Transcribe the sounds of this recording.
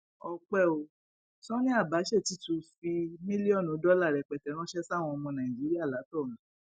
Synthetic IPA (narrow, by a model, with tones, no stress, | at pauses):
ɔ˧k͡pɛ˦˨o˧ | sɔ̃˦nĩ˦a˦˨ba˨˦ʃɛ˦˨ti˦tũ˧˦fi˧mĩ˦li˦ɔ˦˨nũ˨˦dɔ˦la˦˨ɾɛ˨k͡pɛ˨tɛ˨˦ɾ̃ɔ̃˦ʃɛ˦sa˦˨w̃ɔ̃˧ɔ˧mɔ̃˧nã˨i˨d͡ʒi˨˦ɾi˦a˦˨la˨˦tɔ˦˨lã˨˦